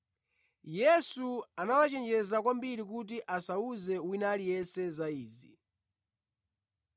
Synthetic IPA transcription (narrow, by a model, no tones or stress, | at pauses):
jɛsuanawat͡ʃɛnd͡ʒɛzakwambiɾik̬ut̬iʔasauzɛwinalijɛnsɛzaiːzi